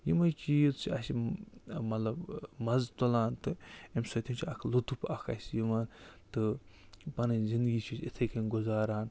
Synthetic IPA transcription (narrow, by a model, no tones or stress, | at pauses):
jimɐjt͡ʃiːzt͡ʃʰiɐsi | mɐt̪lɐbmɐzt̪olaːnt̪ɨemsot̪ʰʲimt͡ʃʰiɐkʰlut̪upɐkʰɐ̰sjimaːnt̪ɨ | pɐnɐzind̪ɨɡit͡ʃʰisit̪ʰekɐnɡuzaːɾaːn